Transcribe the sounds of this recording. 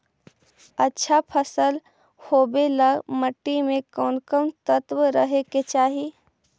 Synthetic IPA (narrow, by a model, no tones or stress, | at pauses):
ətːʃʰapʰəsəl | hoːbeləɡməʈːimẽkɔːnkəmt̪ət̪wɾəɦeket͡ʃaːɦi